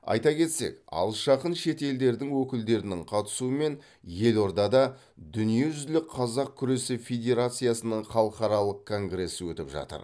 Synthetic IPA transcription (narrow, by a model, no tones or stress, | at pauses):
ɑ̰jt̪ɑkʲe̞t̪se̞̰kɑ̰lˠʃɑqənʃe̞t̪e̞ld̪e̞ɾd̪ɪŋwɵkʲɪld̪e̞ɾɪnɪŋqʰɑt̪ə̥suəme̞n | je̞lo̞ɾd̪ɑd̪ɑ | d̪ʏnije̞ʒʏzlɪk̚qʰɑzɑq̚kʲʰʏɾe̞sɪfʲe̞d̪ʲe̞ɾat̪sɨjasənəɴχɑlˠəqɑɾɑlˠəq̚kʰo̞ŋɡɾe̞sːɪwɵt̪ɪpʒɑ̰t̪ə̰ɾ